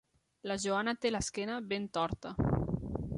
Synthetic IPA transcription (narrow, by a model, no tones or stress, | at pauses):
laʒoanat̪elaskɛnaβent̪ɔɾt̪a